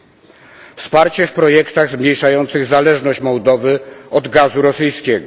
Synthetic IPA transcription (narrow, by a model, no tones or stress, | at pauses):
fspaɾt͡ɕɛfpɾɔjɛkt̪aɣzmɲejʂajɔnt̪sɘɣzalɛʐnɔɕt͡ɕmɔwd̪ɔvɘɔd̪ɡazuɾɔsɘjskʲɛɡɔ